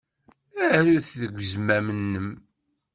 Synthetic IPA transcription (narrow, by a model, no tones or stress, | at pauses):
æɾuθðəɡʷəzmæmənːəm